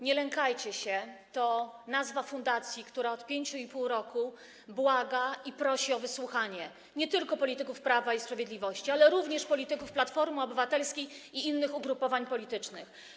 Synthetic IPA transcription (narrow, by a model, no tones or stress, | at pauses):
ɲɛlɛŋkajt͡ɕɛɕɛt̪ɔnazvafund̪at̪sʲjikt̪uɾaɔt̪pʲjeɲt͡ɕuipuwɾɔku | bwaɡaipɾɔɕiɔvɘswuxaɲɛ | ɲɛt̪ɘlkɔpɔlʲit̪ɘkufpɾavaispɾavʲjed̪lʲivɔɕt͡ɕialɛɾuvɲɛʂpɔlʲit̪ɘkufplat̪fɔɾmɔbɘvat̪ɛlskʲejiinːɘxuɡɾupɔvaɲpɔlʲit̪ɘt͡ʂnɘx